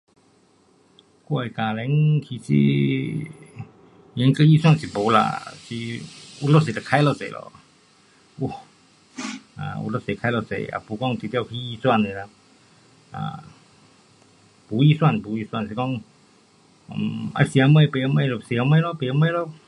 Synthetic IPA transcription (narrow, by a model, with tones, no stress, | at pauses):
kɔ˧˨a˨kaː˨lɛ˧˦ŋkʰi˧˨˩sḭ˧ | jɛ˨˧˦ŋkə˧˦i˦˧˨swa˥˨nsi˨bo˨˦la̰˧˨si˧ʔu˧˦lɔ˧se˨t̪a˨kʰa˧˦lɔ˧˨sḛ˨˧˨lʔɔ̰˧˨ | u˧˩ | a̰˨ṵ˧lo˧˨se˨˩kʰa˧˦lɔ˧˨sḛ˧˨a̰˨˧˩pu˨˧˦kɔ˥˧˨ŋt̪i˧t̪kʰi˧˦i˧˨swa˥˧˨ne˨la˧˨ | ʔa̰˧˨˩ | pu˨˦i˧˨swa˥˨nbu˨˦i˧swa˥˧˨nsi˧kɔ˥˧˨ŋ˧˨ | mʔa̰˧˨si˧˨a˧mə˧˨jpe˨a˧mə˧˨lɔ˧˩si˨a˧mə˧˨lɔ˧˦pe˨a˧˦mə˧˨jlɔ˧˨